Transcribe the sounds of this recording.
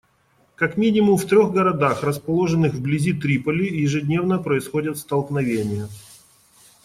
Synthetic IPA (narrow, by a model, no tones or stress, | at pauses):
kɐkmʲinʲɪmʊmft̪ɾʲoɣɡəɾɐd̪axrəspɐlˠo̞ʐɨnɨxvblʲɪzʲit̪ɾʲipəlʲɪjɪʐɨdʲnʲe̞vnəpɾəɪsxo̞dʲɪt̪st̪əlˠknɐvʲenʲɪjə